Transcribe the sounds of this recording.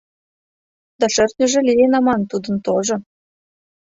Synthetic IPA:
d̪ɑʃɘrt̪nʲə̆ʒĕlijenɑmɑnt̪ud̪ə̆nt̪oʒŏ

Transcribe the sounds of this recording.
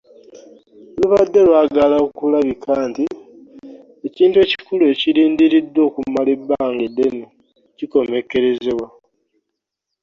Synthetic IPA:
oluβadːe̞lwaːɡalakulaβikʰaːnti | eciːntue̞cikulue̞ciɾiːndiɾid̪ːwo̞ːkumalebːaːŋɡede̞no | ciko̞me̞ke̞ɾe̞zeβwa

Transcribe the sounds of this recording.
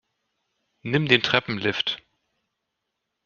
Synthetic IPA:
nɪmdeːntʁ̥ɛpm̩lɪft

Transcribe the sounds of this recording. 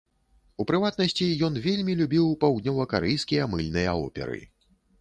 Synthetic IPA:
upɾɨvat̪nɐsʲt͡sʲijɔnvʲelʲmʲilʲubʲiwpawd̪nʲɔvɐkaɾɛjskʲijɐmɨlʲnɨjɐɔ̰pʲɛ̰ɾɨ̰

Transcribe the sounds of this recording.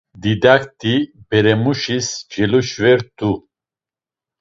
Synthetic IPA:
d̪id̪ak̚t̪ʰibɛɾɛmuʃisd͡ʒɛluʃvɛɾt̪ʰu

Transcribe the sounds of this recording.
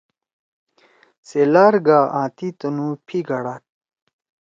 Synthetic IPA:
selaːɾɡaːʔãːt̪it̪ɐnupʰiɡɐɽaːt̪̚

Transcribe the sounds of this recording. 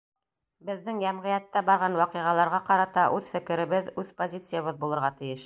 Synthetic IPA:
bɘ̆ðːɘŋjæmʁɤ̆jæt̪ːæbɑɾʁɑnwɑqɤʁɑlˠɑɾʁɑqɑɾɑt̪ɑʔʉðfɘ̆kɘ̆ɾɘ̆βɘðʉðpozʲit̪sɨjaβɤðbulˠɤ̆ɾʁɑt̪ɘ̆jɘʃ

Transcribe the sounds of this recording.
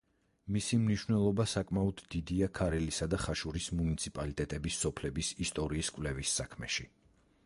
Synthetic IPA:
misimniʃwvnɛlˠɔbasakʼmaɔd̪ːid̪iakʰaɾɛlisad̪aχaʃuɾismunit̪sʰipʼalit̪ʼɛt̪ʼɛbisːɔpʰlɛbisist̪ʼɔɾiːskʼvlɛvisːakʰmɛ̰ʃi

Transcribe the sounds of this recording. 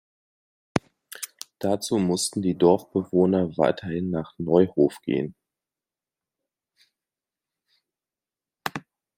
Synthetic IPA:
d̥at͡suːmʊstn̩diːdɔɐfb̥əvoːnɐva̰ɪtʰɐhɪnːaːχnɔʏhoːfɡ̥ḛːən

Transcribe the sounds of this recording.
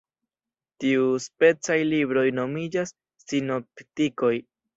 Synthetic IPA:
tiuspe̞t͡sajlibɾo̞jno̞mid͡ʒasː | ino̞ptiko̞j

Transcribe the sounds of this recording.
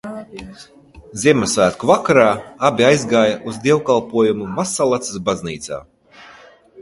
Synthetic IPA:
zʲiɛmɛsvæːt̪kuvakaɾaːabʲiajzɡaːjaʔuzd̪iɛwkalˠpuɔjumumasalˠat̪sɨsbazniːt̪sa̰ː

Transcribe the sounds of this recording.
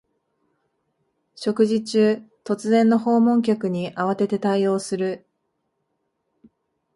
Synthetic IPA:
ɕo̞kɯ̟ʑit͡ɕɨːt̪o̞t͡sɨzẽ̞nːo̞ɦo̞ːmõ̞ŋk̬ʲokɯ̟ɲ̟iʔaβ̞at̪e̞t̪e̞t̪aio̞ːsɨɾɯ̟

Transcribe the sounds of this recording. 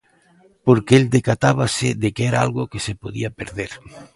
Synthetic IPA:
poɾkeeld̪ekat̪aβaseðekeɛɾaalɣokesepoðiapeɾðeɾ

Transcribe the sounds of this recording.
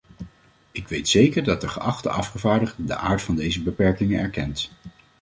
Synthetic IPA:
ɪkʋejtsejkəɹdɑt̚dəχə̰ʔɑχtə̰ʔɑfχəvaːɹdəχtdə̰ʔaːɹtfɑndejzəbəpɛɹkɪŋənɛɹkɛnt

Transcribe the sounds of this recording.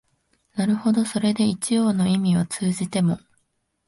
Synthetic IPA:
naɾɯ̟ho̞d̪o̞so̞ɾe̞d̪e̞it͡ɕijo̞ːno̞imʲiβat͡sɨːʑit̪e̞mo̞

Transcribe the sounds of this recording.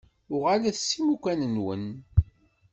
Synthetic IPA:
ʊʁalæθsːimukʷːænənwə̰n

